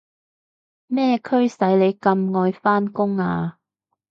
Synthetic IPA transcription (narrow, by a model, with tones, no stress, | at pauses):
mɛː˥kʰɵ˥ɥsɐ˨˥jle˨˧jkɐ˧mŋɔː˧jfaː˥nkʊ˥ŋaː˧